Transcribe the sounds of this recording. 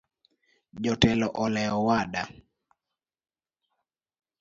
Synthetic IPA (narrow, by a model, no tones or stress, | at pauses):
d͡ʒɔtɛlɔʔɔlɛɔwaɗa